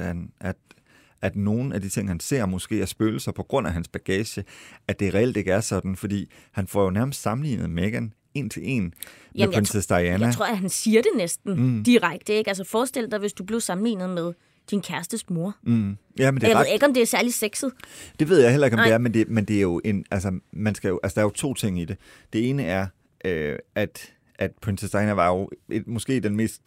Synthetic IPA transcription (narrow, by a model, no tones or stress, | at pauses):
ænæ̥ | æd̥no̝ːn̩æd̥it͡sʰe̝ŋ̰hænse̝ɐ̰mɔ̽sɡ̥e̝̰ːæsb̥øːləsɑpʰɒ̽ɡ̥ʁɔ̽n̰æɦænsb̥æɡ̥ɛːɕəæd̥e̝ʁɛel̰d̥e̝ɡ̥əæɐsɒ̽d̥n̩fɒ̽d̥ḭː | hænfɒjo̝næɐməsd̥sɑ̈mn̩lḭːnð̩ˠmeɡ̥æn | e̝̰nt͡sʰe̝le̝̰njnsʰesd̥ɑ̈ænaæt͡sʰʁo̝ɐ̰hænsiːɐɾ̥e̝nesd̥n̩d̥iʁaɡ̥̚d̥əe̝ɡ̥æls̬əfɒːsd̥e̝l̰d̥ɑ̈ɪʋe̝sd̥ub̥le̝ʊsɑ̈m̩lḭːnð̞̩ˠmeð̞ˠ | d̥inkʰæɐsd̥əsmo̝ɐjæmend̥eeðˠjaeɡɒ̽mdeæɐsæɐliseɡ̥sð̞̩ˠd̥eʋe̝ð̞̰ˠɑ̈ɪel̰ɐe̝ɡɒm̥e̝æɐmend̥e̝mend̥e̝æɐjo̝ʔe̝nælsɐmænsɡ̥æjoʔælsə̥d̥ɑæɐjo̝t͡sʰo̝̰ːt͡sʰe̝ŋ̰id̥e̝ | d̥e̝e̝ːnəæɐ | ʔøæd̥ | ʔæd̥pʰinsesd̥ɑ̈ɪænæʋɑ̈jo̝e̥mɔ̽sɡ̥e̝̰ːd̥enme̝̰ːsd̥